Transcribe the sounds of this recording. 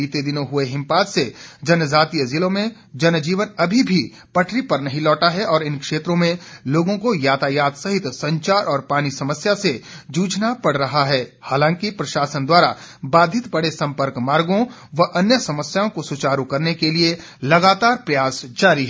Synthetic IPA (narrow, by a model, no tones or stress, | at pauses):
iːt̪ed̪ɪnõɦʊeɦɪ̃mpaːt̪sed͡ʒɐnəzaːt̪ijəzɪlõmẽ | d͡ʒɐnd͡ʒiːʋənɐbʱibʱi | pɐʈʰɾipɐɾnɐɦĩlɔːʈaɦɛʔɔːɾɪ̃nkʃeːt̪ɾõmẽloːɡõkojaːt̪ʰajaːt̪sɐɦɪt̪sɐ̃ɲt͡ʃaːɾʔɔːɾpaːñisɐməsjased͡ʒuːd͡ʒnapɐɽ̤ɾɐɦaɦɛːhaːlãːŋkipɾɐʃaːsənd̪waːɾa | baːd̪ʱɪt̪bɐɽesɐ̃mpəɾkmaːɾɡõ | ʋɐʔɐnjəsɐməsjaõkosʊt͡ʃaːɾukɐɾnekelie | lɐɡaːt̪aːɾpɾɐjaːsd͡ʒaːɾiɦɛ